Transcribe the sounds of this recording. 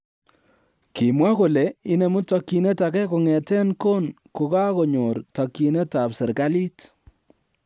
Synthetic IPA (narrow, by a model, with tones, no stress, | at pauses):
ki˨mwa˦ko˨le˨i˦ne˨mu˦tɔ˨ki˨ne˦ta˨kɛ˦ko˨ŋɛ˨tɛ˦nko˦n | ko˨ka˦kɔ˨ɲo˨ɾtɔ˨ki˨ne˦ta˨psɛ˨ɾka˦li˦t